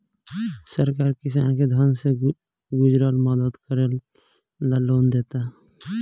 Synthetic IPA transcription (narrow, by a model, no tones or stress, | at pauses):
səɾkaːɾkɪs̬aːnked̪ʱənse | ɡʊd͡ʒɾaːlmɔd̪əd̪kəɾəl | laloːnd̪eːt̪aɦ